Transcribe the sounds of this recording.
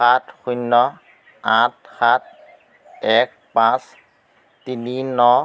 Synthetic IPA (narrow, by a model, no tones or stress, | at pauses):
atxujnːɔ | ãt̚xat̚ | ɛk̚ | pãs | tininɔ